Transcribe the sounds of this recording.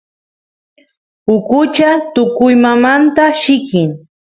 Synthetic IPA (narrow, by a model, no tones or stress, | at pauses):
ʊkʊt͡ʃat̪ʊkʊjmamant̪aʃɪkɪŋ